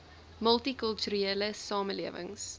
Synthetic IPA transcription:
məlˠtikəlˠtuɾeːləsɑːməliəvə̰ŋs

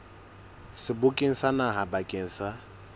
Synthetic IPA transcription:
sɪbʊkʼɪŋ̩sanaɦabakʼɪŋ̩sa

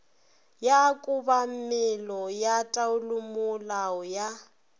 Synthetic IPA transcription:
jakʼubammɪlɔjatʼaʊlʊmʊlaɔja

